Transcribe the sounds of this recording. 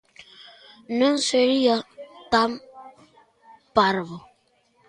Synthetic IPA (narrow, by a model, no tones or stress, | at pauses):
nən̩seɾijatam | paɾβo